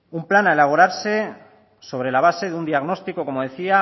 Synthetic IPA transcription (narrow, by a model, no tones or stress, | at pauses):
umplanaelaβ̞oɾaɾse̞ | so̞β̞ɾe̞laβ̞ase̞ðeund̪iaɣno̞st̪iko̞ko̞mo̞ðe̞θia